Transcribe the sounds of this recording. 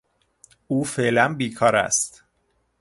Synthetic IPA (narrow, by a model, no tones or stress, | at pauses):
ʔuːfe̞ʔlænbiːkʰɒːɾæ̰st̪